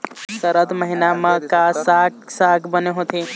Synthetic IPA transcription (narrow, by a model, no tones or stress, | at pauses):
səɾəd̪məɦinaməkasaksaɡbəneɦot̪ʰe